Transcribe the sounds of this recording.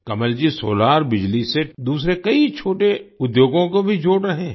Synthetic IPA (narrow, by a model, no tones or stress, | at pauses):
kɐməld͡ʒisoːlaːɾbɪd͡ʒlised̪uːsɾekɐit͡ʃʰoːʈeʊd̪joːɡõkobʱid͡ʒʱoːɽɾɐɦẽː